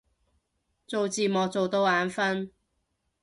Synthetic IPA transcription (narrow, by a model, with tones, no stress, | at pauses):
t͡so˨˧wt͡siː˨mɔː˨˧t͡so˨wt̪o˧˥waː˨˥nfɐ˥n